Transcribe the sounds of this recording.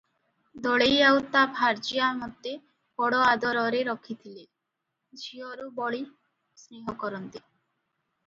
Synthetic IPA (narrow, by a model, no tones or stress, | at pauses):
d̪ɔɭejawt̪abʱaɾd͡ʒiamɔt̪ːe | bɔɽoad̪ɔɾɔɾeɾɔkʰit̪ʰile | d͡ʒiɔɾubɔɭi | sɾeɦɔkɔɾɔnt̪e